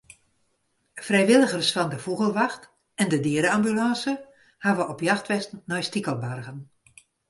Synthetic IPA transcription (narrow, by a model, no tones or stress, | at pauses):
frɛjʋɪlˠəɣərsfɑndəfuɣəlˠʋaxt | ɛndədiəɾəambylɑ̃ːsə | haʋəɔpjaxtʋɛstn̩nɔjstikəlˠbarɣən